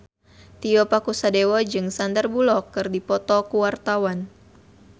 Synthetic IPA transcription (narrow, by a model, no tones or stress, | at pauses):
t̪iɔpakusadewɔd͡ʒɨŋsandərbulɔkːɨrdipɔt̪ɔkuwart̪awan